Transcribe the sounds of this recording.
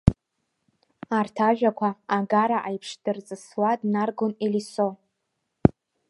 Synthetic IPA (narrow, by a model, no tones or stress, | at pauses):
artʰaʒᶣakʷʰaːɡaɾaʔajpʰʂdɨrt͡sʼɨswadnarɡoneliso